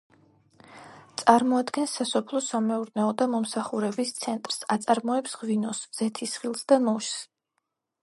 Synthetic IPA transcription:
t̪sʼaɾmɔad̪ɡɛnsːasɔpʰlˠɔsamɛuɾnɛɔd̪amɔmsaχuɾɛbist̪sʰɛnt̪ʼɾsat̪sʼaɾmɔɛpsʁvinɔsz̥ɛt̪ʰisχilˠsd̪anɔʃs

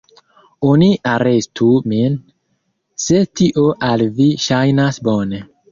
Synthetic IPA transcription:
oniʔaɾestʰumin | setiʔoʔalviʃajnasbone

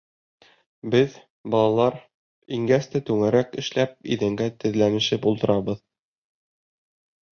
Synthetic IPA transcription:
bɘð | bɒlˠɑlˠɑɾ | iŋɡæst̪æt̪ʉŋæɾækɘ̆ʃlæp̚ḭðɘ̆ŋɡæt̪ɘ̆ðlæmɘ̆ʃɘpulˠt̪ɤ̆ɾɑbɤð

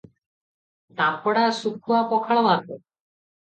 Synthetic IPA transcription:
t̪apɔɽaʃukʰːuapɔkʰaɭobʱat̪e

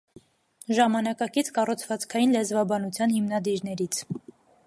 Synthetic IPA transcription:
ʒɑmɑnɑkɑkit͡sʰkɑrut͡sʰvɑt͡skʰɑjinlɛzvɑbɑnut͡sʰjɑnhimnɑd̪iɾnɛɾit͡sʰ

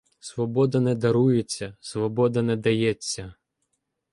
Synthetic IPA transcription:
sʋɔbɔd̪ɐnɛd̪ɐɾujet͡sʲːɐsʋɔbɔd̪ɐnɛd̪ɐjɛt͡sʲːɐ

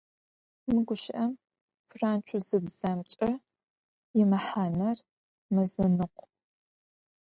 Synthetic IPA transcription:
mɨɡʷʊʃɪʔɐm | fraːnt͡ʃʷʰʊzɨbz̥ɐmt͡ʃʼɐ | jɪmɐħaːnɐr | mɐzɐnɨqʷ

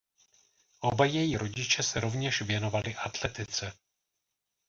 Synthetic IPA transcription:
ʔo̞bajɛjiɾo̞ɟɪt͡ʃɛsɛɾo̞vɲɛʃvjɛno̞valɪʔat̪lɛt̪ɪt͡sɛ

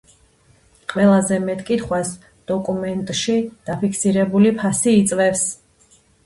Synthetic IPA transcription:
qʼwɛlˠazɛmɛt̪ʼkʼit̪ʰχwas | d̪̥ɔkʼumɛnt̪ʼʃid̪̥apʰikʰsiɾɛbulipʰasiːt̪sʼvɛfs

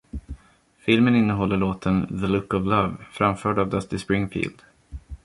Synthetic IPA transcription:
fɪlmənɪnːəɦɔlːəɭoːt̪ʰənðəlɵkːɔvlavfɾamfœːɖavd̪ast̪ɪspɾɪŋfḭːld̪̥

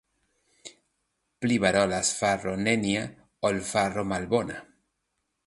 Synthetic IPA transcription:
pliβaɾolasfaronenja | olfaromalbona̰

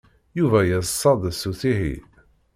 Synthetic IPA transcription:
juvæjæssˤːɑðˤsuθiɦḭ

